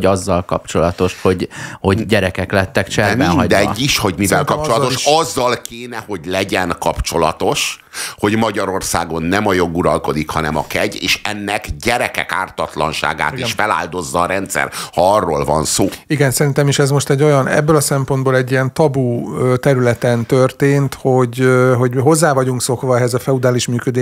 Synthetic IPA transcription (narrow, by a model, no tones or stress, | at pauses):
ɟɒzːɒlkɒpt͡ʃo̞lɒt̪o̞ʃho̞ɟho̞ɟɟɛɾɛkɛklɛt̪ːɛkt͡ʃɛmɛnɦɒɟd̪ɛɛːiʃho̞ɟmivɛlkɒpt͡ʃolɒt̪oʃɒzːɒlkeːnɛho̞ɟlɛɟɛnkɒpt͡ʃo̞lɒt̪o̞ʃ | ho̞ɟmɒɟɒɾo̞rsaːɡo̞nːɛmɒjo̞ɡuɾɒlko̞d̪ikhɒnɛmɒkɛɟḛːʃɛnːɛkɟɛɾɛkɛ̰ka̰ːrt̪ɒt̪lɒ̰nʃa̰ːɡa̰ːt̪iʃfɛla̰ːld̪o̞zːɒːɾɛnt̪sɛ̰rhɒɒrːoːlvɒ̰nsoːiɡɛnsɛɾint̪ɛmiʃɛzmo̞ʃt̪ɛɟːo̞jɒnɛ̰bːølɒsɛmpo̞nd̪boːlɛɟːijɛnt̪ɒbuøt̪ɛɾylɛt̪ɛnt̪ørt̪eːnt̪ho̞ɟɦo̞ɟɦo̞zːaːvɒɟuŋkso̞kʋɒɛɦɛzɒfɛud̪aːliʃmyːkød̪eː